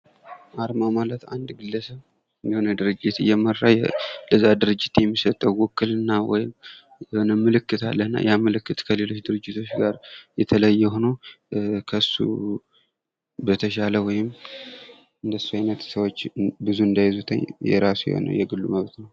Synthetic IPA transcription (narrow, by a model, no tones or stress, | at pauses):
ʔaɾmamalət̪and̪ɡɨlːəsəβ | njɛhonəd̪ɨɾɨd͡ʒːɪt̪ɨjːɛmərajləzːad̪ɨɾɨd͡ʒːɪt̪jɛmːisət̪ʼːəwwɔkːɨlɨnːawɔ̰jɪm | jɛhonəmɨlɨkːɨt̪ʰa̰lːənːa̰jaməlɨkːɨt̪kʰəle̞lo̞t͡ʃːd̪ɨɾɨd͡ʒːɪt̪ʰo̞t͡ʃːɡaɾjɛt̪ʰələjːɛho̞no | kʰəɨsːṵ | bət̪ʰəʃaləwɔjɪm | ɨnd̪əsːuajnət̪səwot͡ʃːbɨzuɨnd̪ajzut̪ʰə̰ɲjɛ̰ɾasujɛ̰ho̰nə̰wjɛɡɨlːuməβt̪nəw